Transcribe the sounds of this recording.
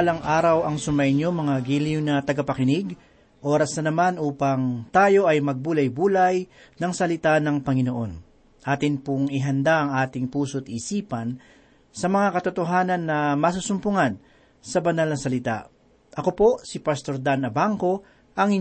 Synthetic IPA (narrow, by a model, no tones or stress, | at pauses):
lɐŋʔaːɾɐwɐŋsʊmɐjnjomɐŋaɡiːlɪŋnɐt̪ɐɡɐpɐkɪnɪɡ | ʔo̞ːɾɐsnɐnɐmanʔuːpɐŋt̪aːjo̞ʔɐjmɐɡ̚buːlɐjbuːlɐj | nɐŋsɐlɪt̪anɐŋpɐŋɪno̞ʔo̞n | ʔaːt̪ɪnpʊŋɪɦɐnd̪aʔɐŋʔaːt̪ɪŋpuːsoɐt̪̚ʔisiːpɐn | sɐmɐŋakɐt̪ʊt̪oɦaːnɐnːɐmɐs̬usʊmpʊŋan | sɐbɐnalnɐsɐlɪt̪a̰ʔ | ʔɐkopo̞ʔsɪpɐst̪o̞ɾd̪anɐbaŋko̞ | ʔɐŋɪ